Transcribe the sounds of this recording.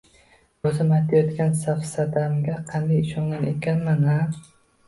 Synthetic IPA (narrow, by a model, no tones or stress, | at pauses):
ozɪmajt̪ʰajɒt̪kʲansafsad̪amɡʲaqʰɑnd̪ajɪʃɒŋɡanekʲanmana